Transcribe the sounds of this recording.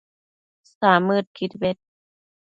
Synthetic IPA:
saːmːɯːt̪̚kʰit̪̚wet̪̚

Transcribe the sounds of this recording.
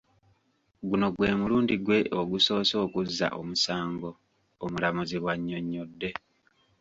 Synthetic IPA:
ɡuno̞ɡwe̞ːmuluːndiɡwe̞ʔoɡuso̞ːso̞ːkuzːa̰ʔo̰musaːŋɡo̞ | omulamuziβwaɲːo̞ɲːodːe̞

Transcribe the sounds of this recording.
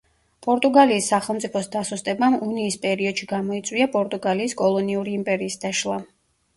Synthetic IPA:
pʼɔɾt̪ʼuɡaliːsːaχɛlˠmt̪sʼipʰɔsd̪asust̪ʼɛbamuniːspʼɛɾiɔd̪̥ʃiɡamɔit̪sʼwiapʼɔɾt̪ʼuɡaliːskʼɔlˠɔniuɾiːmpʼɛɾiːsd̪aʃlˠa

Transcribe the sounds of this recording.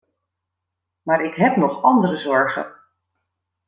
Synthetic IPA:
maːɹɪkɦɛpnɔχɑndərəzɔɹχə̰n

